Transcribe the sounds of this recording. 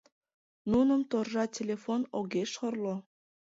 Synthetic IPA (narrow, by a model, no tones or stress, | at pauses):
nunəmt̪orʒɑtʲelʲefonoɣeʃorlo